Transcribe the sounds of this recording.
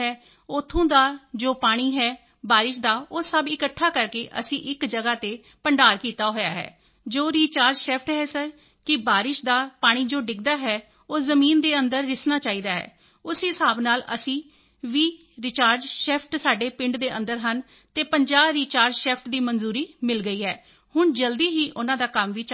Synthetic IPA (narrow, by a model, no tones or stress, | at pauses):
ɦɛː | ot̪ʰːõːd̪aːd͡ʒoːpaːɽ̃iːɦɛː | baːɾɪʃ̬d̪aːoːsəbɪkəʈʰːaːkəɾkeːʔə̰sĩːʔɪkd͡ʒəɡaːt̪eː | pəɳɖaːɾkiːt̪aːɦoːja̰ːɦɛ̰ː | d͡ʒoːɾiːt͡ʃaːɾd͡ʒʃɛːpʰʈɦɛːsəɾ | kɪbaːɾɪʃd̪aːpaːɽ̃iːd͡ʒoːɖɪkd̪aːɦɛː | oːzəmiːnd̪eːənd̪əɾːɪsnaːt͡ʃaːiːd̪aːɦɛ̰ː | ʊsɦɪsaːbnaːlə̰sĩː | ʋiː | ɾɪt͡ʃaːɾd͡ʒʃɛːpʰʈsaːɖeːpɪ̃ɳɖd̪eːʔə̃nd̪əɾɦən | t̪eːpəɲd͡ʒaːbɾiːt͡ʃaːɾd͡ʒʃɛːpʰʈd̪iːmənzuːɾiːmɪlɡəiːɦɛː | hʊɳd͡ʒəld̪iːɦiːʔʊnãːd̪aːkəmʋiːt͡ʃ